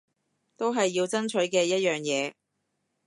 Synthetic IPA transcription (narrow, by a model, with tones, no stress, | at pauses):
t̪o˥wɦɐ˨jːiː˧wt͡sɐ˥nt͡ʃʰɵ˨˥ɥkɛː˧jɐ˥t̚jœː˨˩ŋjɛː˨˧